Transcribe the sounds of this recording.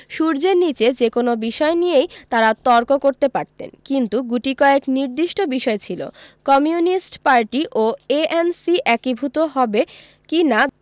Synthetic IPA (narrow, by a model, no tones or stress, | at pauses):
ʃuɾd͡ʑeɾnit͡ɕed͡ʑekonobiʃɔenijejt̪aɾat̪ɔɾkokoɾt̪epaɾt̪ḛnkint̪uɡuʈikɔeekniɾd̪iʃʈobiʃɔet͡ɕʰilo̰kɔmijunisʈpaɾʈiʔoeʔensiʔɛkibʱut̪oɦɔbe | kina